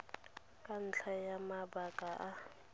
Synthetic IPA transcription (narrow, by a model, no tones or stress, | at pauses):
kʼan̩t͡ɬʰajamabakʼaʔa